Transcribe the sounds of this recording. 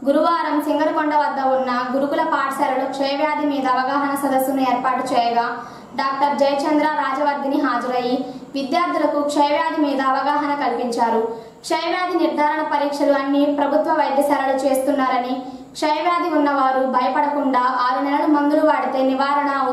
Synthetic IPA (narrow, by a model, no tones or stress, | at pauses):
ɡuɾuʋaːɾɐmsiŋɡɐɾɐkɔɳɖɐʋɐd̪ːɐunːɐɡuɾukulɐpaːʈsɐɾɐlukʂɐjɐʋjaːd̪imiːd̪ɐːʋɐɡaːɦɐnɐsɐd̪ɐsːunueːɾpaːʈut͡ʃɛːjɐɡaː | ɖaːk̚ʈɐɾd͡ʒɐjɐt͡ʃɐnd̪ɾaːɾaːd͡ʒɐʋɐɾd̪iniɦaːd͡ʒɐɾɐjiʋid̪jaːɾt̪ʰilɐkukʂɐjɐʋjaːd̪imiːd̪ɐːʋɐɡaːɦɐnɐkɐlpiɲt͡ʃaːɾu | kʂɐjʋjaːd̪iniɾd̪ʱaːɾɐɳɐpɐɾiːkʂɐlaːnːipɾɐbʱut̪ʋɐʋɐjd̪jɐsɐɾɐlut͡ʃe̞ːst̪unːaːɾɐni | kʂɐjɐʋjaːd̪iunːɐʋaːɾubʱɐjɐpɐɽɐkuɳɖaːʔaːɾunɛlɐlumɐnd̪uluʋaːɽit̪eːniʋaːɾɐɳɐ